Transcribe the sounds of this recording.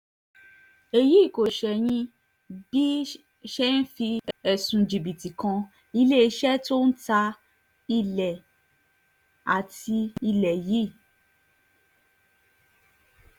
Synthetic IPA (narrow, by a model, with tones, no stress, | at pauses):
e˨ji˨˦˨ko˨ʃɛ˨j̃ĩ˧ | b̥i˦ | ʃɛ˦n˦fi˧ɛ˨sũ˨d͡ʒi˨bi˨ti˨kɔ̃˧ | i˧le˦i˧˦ʃɛ˦to˦n̩˦ta˧ | i˧lɛ˨ | a˨ti˧i˧lɛ˨ji˦˨